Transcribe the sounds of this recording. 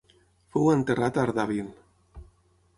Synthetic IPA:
fowənt̪erat̪aɾðaβil

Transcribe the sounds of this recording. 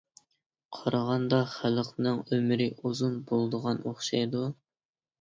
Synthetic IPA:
qʰɑɾɑʁɑnd̪ɑχælqnɨŋømɪɾɪʔuzunbolˠd̪əʁɑnoχʃɑjd̪u

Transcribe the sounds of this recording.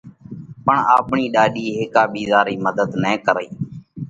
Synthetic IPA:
pəɳaːpɳiːɗaːɗiːɦeːkaːɓiːzaːɾiːməd̪əd̪nɛ̃ːkəɾəiː

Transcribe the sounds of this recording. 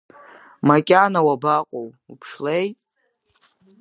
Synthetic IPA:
makʲʼanawabaqʷʼow | upʰʂlej

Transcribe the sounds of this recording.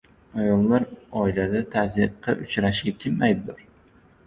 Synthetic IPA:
ajɒlˠːaɾɒilad̪at̪ʰazɨqʰːɑ̰ʔʊt͡ʃɾaʃɡʲakʲʰɪmːajd̪ɪd̪ʊɾ

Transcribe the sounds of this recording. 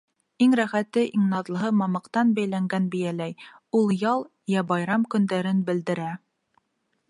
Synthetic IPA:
iŋɾæχæt̪ːɘʔiŋnɑðlˠɤ̆ɦɤmɑmɑqt̪ɑnbæjlæŋɡænbɘ̆jælæj | ulˠjɑlˠ | jæbɑjɾɑmkɵ̆nd̪æɾɘnbɘ̆ld̪ɘ̆ɾæ

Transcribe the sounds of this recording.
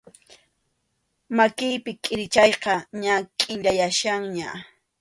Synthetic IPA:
makɪjpɪkʼɪɾɪt͡ʃɑjqɑɲakʼɪʎajaʃaŋɲa

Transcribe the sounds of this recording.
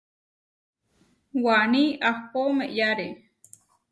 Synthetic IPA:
wanĩʔahpomeʔjaɾe

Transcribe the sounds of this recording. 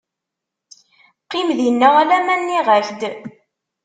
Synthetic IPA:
qːimðinːæælæmænːiʁəɬd̪

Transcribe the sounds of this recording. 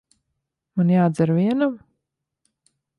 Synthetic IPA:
manjaːd̪zɛɾviɛnam

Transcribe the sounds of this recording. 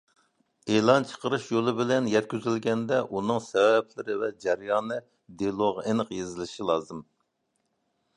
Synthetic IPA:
elˠɑnt͡ʃʰə̥qəɾɨʃjolˠɨbɪlɛnjɛt̪̚kʲyzylɡʲɛnd̪ɛʔunɨŋsɛvɛp̚lɪɾɪvɛd͡ʒɛɾjɑːnɨ | d̪ilˠoʁenɨqjezɪlɪʃilˠɑːzɨm

